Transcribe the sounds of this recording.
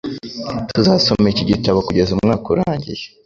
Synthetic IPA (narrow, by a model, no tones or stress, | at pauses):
tuzaːso̞meciɟitaβokuɟe̞zumŋaːkuɾaːɲɟḭje